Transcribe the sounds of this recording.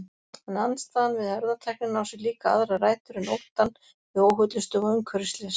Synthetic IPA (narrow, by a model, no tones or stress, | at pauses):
ɛnanst̪aːðanvɪðhœɾðat̪ʰɛjknɪnawsʏliːkaa̰ðɾaraːjt̪ʏɾɪnowht̪an | ɪoːwɦœt̪lʏst̪œːɣʏŋkʰœɾst̪lɛs